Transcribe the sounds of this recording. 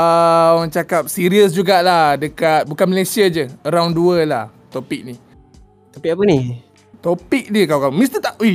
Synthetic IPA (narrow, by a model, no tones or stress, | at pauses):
əaaŋt͡ʃakap̚siɾiəs̬d͡ʒuɡaʔlahdəkat̪̚bukanməlajsiad͡ʒəəɾawnduəlaht̪opik̚ni | t̪apik̚apəni | t̪opik̚diəkawkamist̪ət̪aʔi